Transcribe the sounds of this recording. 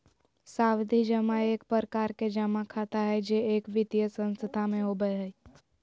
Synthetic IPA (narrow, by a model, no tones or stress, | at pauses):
saːwd̪ʱid͡ʒəmãeːkpəɾəkaːɾked͡ʒəmãkʰat̪aɦɛd͡ʒeeːkʋɪt̪jəsə̃nst̪əd̪ʱʰamẽɦobəeɦəi